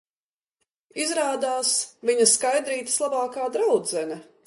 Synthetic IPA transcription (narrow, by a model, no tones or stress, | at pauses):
izɾaːd̪aːsviɲɐskajd̪ɾiːt̪ə̥slˠabaːkaːd̪ɾawd̪zɛnʲɐ